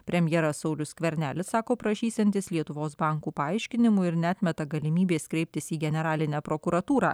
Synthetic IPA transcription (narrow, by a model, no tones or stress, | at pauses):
pʲɾʲɛmʲjɛɾɐsɒʊlʲʊskʋʲɛɾʲnʲæːlʲɪsɑːkoːpɾɐʃʲiːsʲɛnʲt̪ʲɪslʲiɛt̪ʊʋoːsbɑŋkuːpɐɐɪʃʲkʲɪnʲɪmʊɪɾnʲɛɑːt̪ʲmʲɛt̪ɐɡɐlʲɪmʲiːbʲeːskɾʲɛɪp̚ʲt̪ʲɪsiːɡʲɛnʲɛɾɑːlʲɪnʲæːpɾokʊɾɐt̪uːɾɑ̰ː